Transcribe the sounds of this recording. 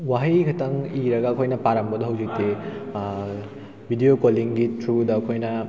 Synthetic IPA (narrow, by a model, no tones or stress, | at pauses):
waɦijɡʱɐtɐŋiɾɐɡaːkʰojnɐpaɾambɐdɐɦɐwzikte | bʱidijokoliŋɡitɾudɐːkʰojnɐ